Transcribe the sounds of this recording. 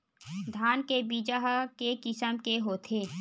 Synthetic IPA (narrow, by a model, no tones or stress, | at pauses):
d̪ʱaːnkebiːd͡ʒaɦkekɪsəmkeɦoːt̪ʰeː